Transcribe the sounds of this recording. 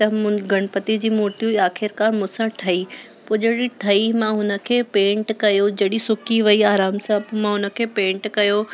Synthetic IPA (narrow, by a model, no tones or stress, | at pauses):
t̪ɐm̃ɡʱɐɽ̃pɐt̪id͡ʑiːmoːɾʈiuiaːxʰɪɾkaːɾmʊ̃sãʈʰɐi | poːd͡ʑɐɽiʈʰɐimãɦʊnə̆kʰeːpẽːɳʈkɐjod͡ʑɐɗisʊkiʋɐiaːɾaːmsãmãɦʊnə̆kʰeːpẽːɳʈkɐjo